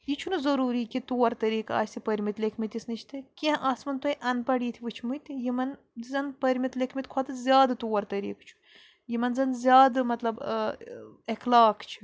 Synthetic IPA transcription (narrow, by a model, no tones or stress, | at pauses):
jit͡ʃʰunɨzɐɾuːɾiːkit̪uːɐɾt̪ɐɾiːka̰ːsipɐɾʲmit̪lʲekʰmit̪ʲisnit͡ʃʰt̪ʰɨkiɐ̃ʔaːsmɐnt̪wojʔɐnpɐɽiːt̪ʰiʋɨt͡ʃʰmut̪jimɐn | zɐnpɐɾʲmit̪lekʰmit̪kʰwɐt̪ɨzʲjaːd̪ɨt̪uːɐɾt̪ɐɾḭːkt͡ʃʰu̥ | jimɐnzɐnzʲjaːd̪ɨmɐt̪lɐb | ɐklaːkt͡ʃʰi̥